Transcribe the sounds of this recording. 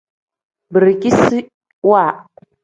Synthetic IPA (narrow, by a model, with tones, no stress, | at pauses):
bə˨ɾki˦si˦ | wa˦˨